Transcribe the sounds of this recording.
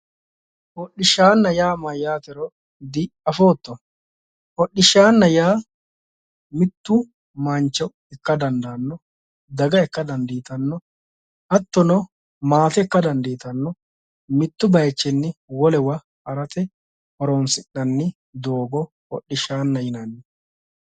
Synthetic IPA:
hɔɗːɪʃaːnːɐjaːmɐjaːt̪ɛɾɔ | d̪ɪɐfoːt̪ːɔ | hɔɗːɪʃaːnːɐjaː | mɪt̪ːʊ | maːnt͡ʃːɔ | ɛkːɐd̪ɐnd̪aːnːɔ | d̪ɐɡɐɛkːɐd̪ɐnd̪iːt̪ɐnːɔ | ʔɐt̪ːɔnɔ | maːt̪ɛkːɐd̪ɐnd̪iːt̪ɐnːɔ | mɪt̪ːʊbɐjt͡ʃːɛnːɪwɔlɛwɐ | ɐɾɐt̪ɛ | hɔɾoːnsɪɗːɐnːɪ | d̪o̞ːɡɔ | hɔ̰ɗːɪʃaːnːɐjɪnɐnːɪ

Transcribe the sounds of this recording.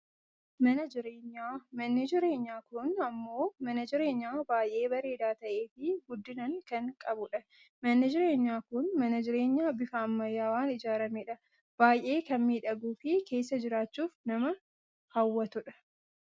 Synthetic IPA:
mɐnɐd͡ʒɪɾeːɲːaːmɐnːɪd͡ʒɪɾe̞ːɲːaːkʊnɐmːo̞ːmɐnɐd͡ʒɪɾe̞ːɲːaːbaːjʔe̞ːbɐɾe̞ːd̪aːt̪ɐʔe̞ːfɪɡʊd̪ːɪnɐŋkɐŋkʼɐbʊᶑɐ | mɐnːɪd͡ʒɪɾe̞ːɲːaːkʊnmɐnɐd͡ʒɪɾe̞ːɲːaːbɪfɐːmːɐjːaːwaːnɪd͡ʒaːɾɐmeːᶑɐ | b̥aːjʔe̞ːkɐnmiːᶑɐɡuːfɪke̞ːs̬ːɐd͡ʒɪɾaːt͡ʃːuːfnɐmɐ | hɐwːɐt̪ʊᶑɐ̥

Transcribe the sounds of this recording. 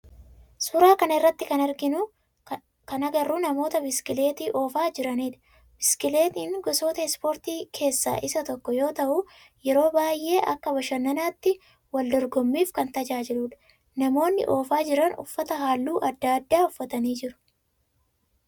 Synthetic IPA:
sʊːɾaːkɐnɐɪrːɐt̪ːɪkɐnɐɾɡɪnʊ | kɐnɐɡɐrːuːnɐmo̞ːt̪ɐbɪskɪle̞ːt̪iːʔo̞ːfaːd͡ʒɪɾɐniːᶑɐ̥ | bɪskɪleːt̪iːnɡɔso̞ːt̪ɐɪspo̞ːɾt̪iːkʰe̞ːsːa̰ːʔɪsɐt̪ɔkːɔjo̞ːt̪ɐʔu | jɛɾo̞ːbaːjʔːe̞ːʔɐkːɐbɐʃɐnːɐnaːt̪ːɪ | wɐld̪ɔɾɡɔmːiːfkɐnt̪ɐd͡ʒaːd͡ʒɪluːᶑɐ̥ | nɐmo̞ːnːɪ̰ʔo̞ːfaːd͡ʒɪɾɐnʊ̰fːɐt̪ɐɦaːlːuːʔɐd̪ːaːd̪ːaːʊfːɐt̪ɐniːd͡ʒɪɾʊ̥

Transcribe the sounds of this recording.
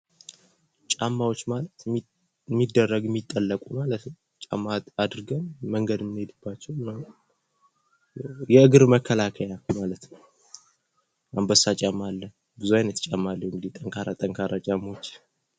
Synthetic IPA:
t͡ʃʼamːawo̞t͡ʃːmalət̪ | mːid̪ːərːəɡɛmːit̪ʼːəlːəkʼumalət̪nəw | t͡ʃʼa̰mːaad̪ɾɨɡəmːəŋɡəd̪mnhed̪ɨbːat͡ʃːɛwɨnːaw | jjɛɨɡɨɾməkʰːəlakʰəjamalət̪nəw | ambəsat͡ʃʼamalːə | bɨzuajnət̪t͡ʃʼamːalːəwɨŋɡɨd̪it̪ʼəŋkʰaɾat̪ʼəŋkʰaɾat͡ʃʼamːot͡ʃː

